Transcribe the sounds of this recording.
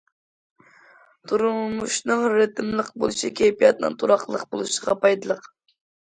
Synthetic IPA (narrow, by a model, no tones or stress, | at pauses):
t̪ʰuɾulmuʃnɨŋɾɪt̪ʰɪmlˠəqbo̰lˠuʃikʲʰejpijɑt̪nɨ̰ŋt̪ʰuɾɑχlˠəqbolˠuʃəʁɑpɑjd̪ɨlˠəq